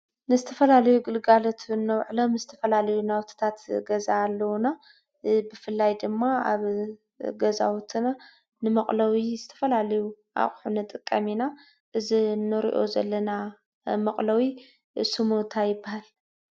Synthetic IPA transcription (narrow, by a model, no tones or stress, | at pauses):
nɨzɨt̪ʰɐfɐlalɐjuɡɨlɡalot̪ʰnːɐwʕlomɨzɨt̪ʰɐfɐlalɐjunawt̪ʰi̥t̪ʰat̪ɡɐzaːlːɐwna | bɨfɨlːajd̪ɨmːaa̰β | ɡɐza̰wut̪ʰina | nɨmɐχʼlɐwizɨt̪ʰɐ̥fɐlalɐju | ʔa̰χʼħunɨt̪ʼɨkʼːɐmina | ʔɨzinːɨɾḭʔo̞zɐ̰lːɐna | mɐχʼlɐwi | sɨmunt̪ʰajɪbːahal